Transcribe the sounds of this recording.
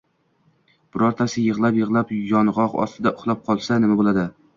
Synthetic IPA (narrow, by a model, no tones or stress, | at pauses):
b̥ʊɾɒɾt̪ʰasɪjɨʁlˠapjɨʁlˠapjɒnʁɒqɒ̰st̪ɪd̪aʔʊχlˠap̚qʰɒlˠsanɪmabolˠad̪ɪ